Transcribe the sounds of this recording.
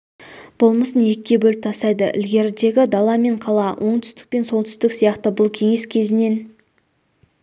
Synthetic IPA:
b̥olˠməsənje̞kʲːe̞bɵlɪp̚t̪ʰɑsɑjd̪əʔɪ̰lɡʲe̞ɾd̪e̞ɡʲɪd̪ɑlˠɑme̞ɴqʰɑlˠɑwʔo̞ɴt̪ʰʏ̥st̪ɪ̥k̚pe̞nso̞lˠt̪ʰʏ̥st̪ɪksijɑqt̪əbʊlˠkʲʰe̞ŋe̞skʲʰe̞zɪne̞n

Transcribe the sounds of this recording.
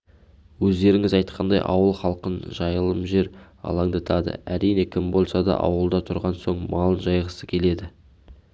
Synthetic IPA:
wɵzd̪e̞ɾɪŋɪzɑjt̪̚qʰɑnd̪ɑjʔɑ̰wəlˠχɑlˠqənʒɑjəlˠəmʒe̞ɾ | ɑ̰lˠɑŋd̪ɑt̪ʰɑd̪ə̰æɾijne̞kʲʰɪmbo̞lˠsɑd̪ɑ̰ʔɑ̰wəlˠd̪ɑt̪ʰʊɾʁɑnso̞ɴmɑlˠənʒɑjʁəsəkʲʰe̞le̞d̪ɪ

